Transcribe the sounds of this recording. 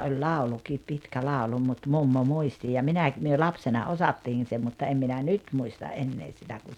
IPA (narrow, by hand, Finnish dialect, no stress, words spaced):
olʲ lɑˑulukiːp pitkæ lɑˑolu mut mumːo muisti jɑ minæˑk myø lɑpsenɑ osɑtːiːn̞ se mutːɑ em minæ nyt muistɑ ʔenːeː sitæ kun̞